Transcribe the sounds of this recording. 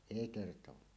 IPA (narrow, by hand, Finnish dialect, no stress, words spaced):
eˑi kertowɑː